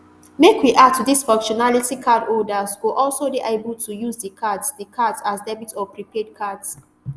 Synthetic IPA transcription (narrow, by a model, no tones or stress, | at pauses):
mekʰwiʔad̚tʰudisfɔ̃ŋkʃɔnalitikʰadɔdəswuʔɔlsobiʔebəltʰujuzdəkʰadsdikʰadzasdɛbitɔpɹipʰɛd̚kʰads